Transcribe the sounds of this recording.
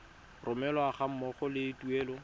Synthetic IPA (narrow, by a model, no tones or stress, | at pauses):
rʔʊmɛlɔaχam̩mɔχɔlɪɪtuɛːlɔ